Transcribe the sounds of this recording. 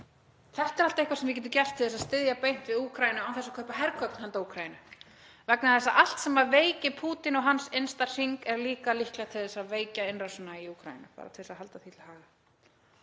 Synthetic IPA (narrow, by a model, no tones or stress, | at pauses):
θɛht̪ɛɾalt̪aehkvasɛmvɪcɛːt̪ʏcɛr̥t̪ʰɪlðɛsaðst̪ɪðjapejn̥t̪vɪðuːkʰɾajɪnʏaːwθɛsːḁkʰœhpaɦɛɾkʰvœpn̥hant̪auːkʰɾajɪnʏ | vɛknaθɛsːaʔal̥t̪sɛmaveːjcɪpʰuːt̪ɪnɔɣɦansejnst̪ḁsiŋkɛɾliːkalihklat̪ʰɪlðɛsaveːjcaɪnrasʏnaiuːkʰɾa̰jɪ̰nʏpa̰ːɾa̰t̪ʰɪlɛsaðɦalt̪aθʰiːt̪lhaːɣa